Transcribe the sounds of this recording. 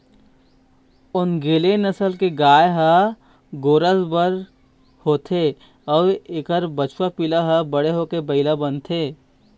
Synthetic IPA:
ʊnɡeːlenəsəlkeɡaːjɦə | ɡoːɾəzbəɾ | hoːt̪ʰe | ɔːɾekəɾbət͡ʃʰwapilaɦəbəɽeɦokebəɪlabənt̪ʰeː

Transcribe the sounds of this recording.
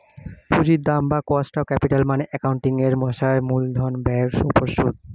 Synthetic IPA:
puzit̚d̪ambakɔstaʊkɛpitalmanɛʔɛkawnʈiŋɛɹmɔsaɹmuld̪ʱɔnbɛɹsupɔɹsud̚

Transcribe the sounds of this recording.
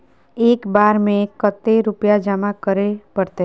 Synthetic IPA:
eːkbaːɾmẽkət̪ːeɾʊpjad͡ʒəmakəɾepəɾt̪e

